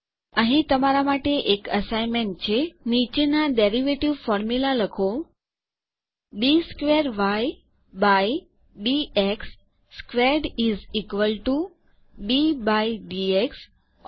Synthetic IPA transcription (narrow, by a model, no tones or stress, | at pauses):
əɦĩt̪əmaɾamaʈeʔekəsajnmeɳʈ̚t͡ʃʰenit͡ʃenaɖeɾiʋeʈiʋfɔɾmjulaləkʰo | biskʋeɾʋaj | baj | bieksː | kʋeɾɖizikʋəlʈu | bibajɖieks